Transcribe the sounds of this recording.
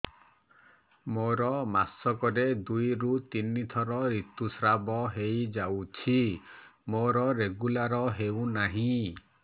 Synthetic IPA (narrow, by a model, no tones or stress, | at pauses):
moɾɔmasɔkɔɾed̪ujɾut̪init̪ʰɔɾɔɾit̪usɾabɔɦejd͡ʒawt͡ʃʰimoɾɔɾeɡulaɾɔɦewnaɦĩ